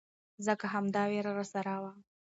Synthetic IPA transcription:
zəkaɦamd̪ɑweɾaɾasaɾawa

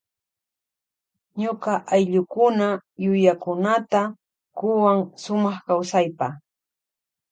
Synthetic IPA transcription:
ɲokaʔajʎʊkʊnajʊjakʊnat̪a | kʊwaŋsʊmɑχkawsajpa

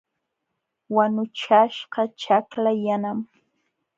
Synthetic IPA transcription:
wanʊt͡ʃaʃɢɑt͡ʃaklajanam

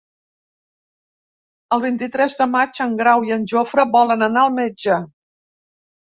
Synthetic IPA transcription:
əlˠβint̪it̪ɾɛzðəmat͡ʃəŋɡɾawiənʲʒofɾəβɔlənənaəlˠmed͡ʒə

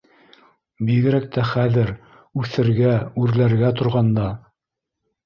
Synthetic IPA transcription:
biɡɘ̆ɾæk̚t̪æχæðɘɾ | ʉθɘ̆ɾɡæʉɾlæɾɡæt̪ŏɾʁɑnd̪ɑ

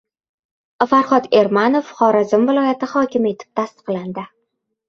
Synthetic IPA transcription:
faɾχɒd̪e̞ɾmanofχɒɾazɪmvɪlˠɒjat̪ɪχɒkʲɪme̞t̪ʰɪ̥p̚t̪ʰast̪ɨ̥qland̪ɪ

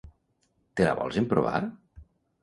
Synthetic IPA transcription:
t̪ela̰βɔ̰lˠzempɾoβa̰ɾ

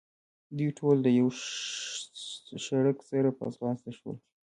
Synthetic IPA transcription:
d̪ijʈʰold̪əjaw | ʃaɽəksaɾapəa̰sɑsd̪aʃwə̰l

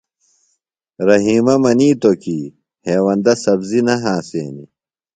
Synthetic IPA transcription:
ɾɐɦiːmɐmɐniːt̪oki | heːwɐnd̪ɐsɐbzinɐɦãːsḛːnḭ

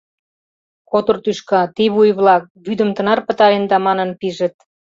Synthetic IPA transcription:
kot̪ort̪yʃkɑt̪iβujβlɑk̚βyd̪ə̆mt̪ənɑrpə̆t̪ɑɾend̪ɑmɑnə̆npiʒə̆t̪̚

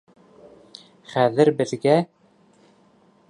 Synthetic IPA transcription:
χæðɘ̆ɾbɘ̆ðɡæ

